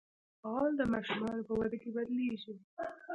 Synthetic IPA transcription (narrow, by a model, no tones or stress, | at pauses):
ɑld̪əmaʃumɑnopəwad̪akebad̪liʃi